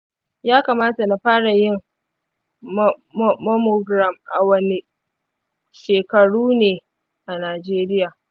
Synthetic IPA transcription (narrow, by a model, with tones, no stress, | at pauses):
jaː˦kaː˨maː˦ta˨na˦ɸaː˦ɽa˨jɪ˦ŋ˦ | mɔ˦mo˨ɡɾa˨mʔa˨wɐ˦ni˨ | ʃeː˨kɐ˨ɽuː˦neː˨ | ʔa˨naː˨d͡ʒeː˦ɾɪ˦jaː˨